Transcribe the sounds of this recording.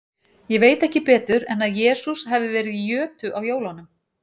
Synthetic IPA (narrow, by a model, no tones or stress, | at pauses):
jɛveːjt̪ɛhcɪpɛːt̪ʏɾɛnaðjɛːsusɦɛvɪvɛːɾɪðijœːt̪ʏʔawjoːwlanʏm